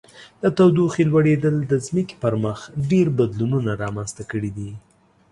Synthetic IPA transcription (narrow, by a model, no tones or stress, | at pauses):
d̪ət̪awd̪uxilwaɽed̪əld̪əzməki̥pəɾməxɖeɾbad̪lununaɾɑmanst̪akəɽid̪i